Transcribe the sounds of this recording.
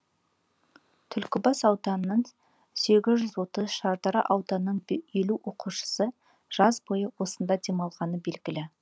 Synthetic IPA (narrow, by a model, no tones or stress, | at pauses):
t̪ʰʏlkʲɪbɑsɑwd̪ɑnnːəɴ | se̞ɡʲɪzʒʏzwo̞t̪əzʃɑɾd̪ɑɾɑ̰ʔɑwd̪ɑnːəɴe̞luʔo̞quʃə̥sə | ʒ̥ɑzbo̞jəwo̞sənd̪ɑd̪e̞mɑlˠʁɑnəbe̞lɡʲɪlɪ